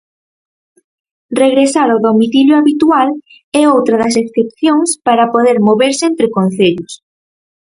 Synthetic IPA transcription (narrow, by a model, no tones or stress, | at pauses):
reɣɾesaɾoðomiθiljoaβit̪ual | ɛowt̪ɾɐðɐs̬eskɾep̚θjõŋspaɾɐpoðeɾmoβeɾsɪent̪ɾɪkon̟θeʎʊs